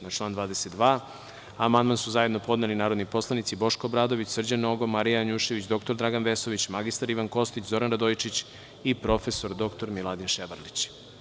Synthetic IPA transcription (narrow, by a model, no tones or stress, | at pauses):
nat͡ʃlˠaːnd̪ʋaːd̪eset̪̚d̪ʋaː | amand̪mansuzaje̞d̪no̞po̞d̪nelinaːɾo̞d̪nipo̞slˠanit̪sibo̞ʃkoːbɾaːd̪o̞ʋit͡ɕsr̩d͡ʑanoɡo̞maɾijaaɲuʃe̞ʋit͡ɕd̪o̞k̚t̪oɾd̪ɾaɡanʋeso̞ʋit͡ɕmaɡist̪aɾiʋanko̞st̪it͡ɕzo̞ɾanɾad̪ojt͡ʃit͡ɕ | ipɾo̞feso̞ɾd̪o̞kt̪o̞ɾmilˠad̪inʃeʋaɾlit͡ɕ